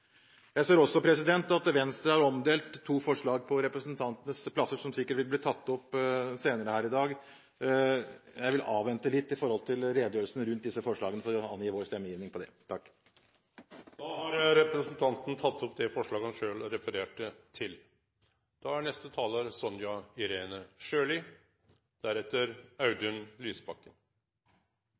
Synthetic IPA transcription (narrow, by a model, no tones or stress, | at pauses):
jæɪseːɾɔsːɔpʰɾɛsɪd̪ɛnt̪ɑt̪ʋɛnst̪ɾəhɑɾɔmd̪eːlt̪ʰːuːfɔʂɭɑːɡpʰɔɾɛpɾəsənt̪ʰɑnt̪ənəspʰlɑsːəʂɔmsɪkːəʈʋɪlbliːt̪ʰɑt̪ːɔpːseːnəɾəhæːɾɪd̪ɑːɡ | jæɪʋɪlʔɑːʋɛnt̪əlɪt̪ːɪfɔɾhɔlt̪ʰɪlɾeːd̪əjøːlsnəɾʉnt̪̚d̪ɪsːəfɔʂɭɑ̰ːɡənəfɔɾɔɑ̰njiːʋoːɾst̪ɛmːəjiːʋnɪŋpʰɔd̪ɛ̰t̪ʰɑkː | d̪̥ɑːhɑɾɾɛpɾəsənt̪ʰɑnt̪n̩t̪ʰɑt̪ːɔpd̪ɛfɔʂɭɑːɡəhɑnʂøːlɾɛfəɾeːʈət̪ʰɪl | d̪̥ɑːæɳɛst̪ət̪ʰɑːləɾsɔnjɑɪɾeːnəʂøːlɪ | d̪̥æɾɛt̪ːəɾɑʉd̪ʉnlyːsbɑkːən